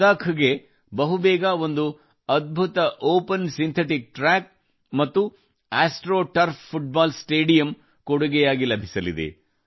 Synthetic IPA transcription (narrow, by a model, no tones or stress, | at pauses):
aːkʰɐɡe̞ | bɐɦubɛːɡɐo̞nd̪u | ɐd̪̚bʱut̪ɐʔoːpɐnsint̪ʰeʈik̚ʈɾaːk̚ | mɐt̪ːu | aːsʈɾoːʈɐɾpʰːuʈ̚baːlsʈeːɖijɐm | koɽuɡɛjaːɡilɐbʱisɐlḭd̪ḛ